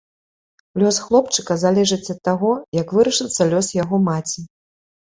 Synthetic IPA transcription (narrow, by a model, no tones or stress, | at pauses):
lʲɔsxlˠɔpt͡ʂɨ̥kɐzalʲɛʐɨt͡sʲɐt̪ːaɣɔjɐkvɨɾɐʂɨt̪sːɐlʲɔsjaɣɔmat͡sʲi